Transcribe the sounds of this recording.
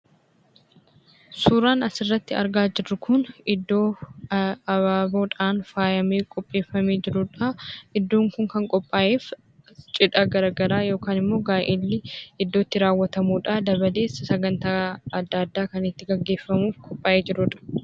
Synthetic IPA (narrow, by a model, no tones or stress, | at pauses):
suːɾaːnɐsɪrːɐt̪ːɪɐ̰ɾɡaːd͡ʒɪrːʊkʰʊnɪd̪ːo̞ː | ɐβaːboːᶑaːnfaːjɐmeːkʼɔpʼːe̞ːfːɐmeːd͡ʒɪɾʊᶑɐʔɪd̪ːoːŋkʊŋkɐŋkʼɔpʼːaːʔeːf | t͡ʃʼɪᶑɐɡɐɾɐɡɐɾaːjoːkaːnɪmːo̞ːɡaːjʔeːlːɪɪd̪ːo̞ːt̪ːɪɾaːwːɐt̪ɐmuːᶑɐd̪ɐbɐle̞ːsːɐsɐɡɐnt̪aːɐd̪ːɐd̪ːaːkɐnɪt̪ːɪɡɐɡːe̞ːfːɐmuːfkʼɔpʼːaːʔeːd͡ʒɪɾʊᶑɐ̥